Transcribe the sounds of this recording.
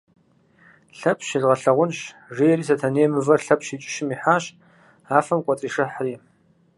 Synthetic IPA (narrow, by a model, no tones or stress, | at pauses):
ɬɐpʰɕizʁɐɬɐʁʷʊnɕʐijɛɾiːs̬ɐtʰɐneːmɨvɐrɬɐpʰɕiːt͡ʃʼɪ̥ʃɪmiːħaːɕ | aːfɐmkʷʼɔt͡sʼiːʂɨħriː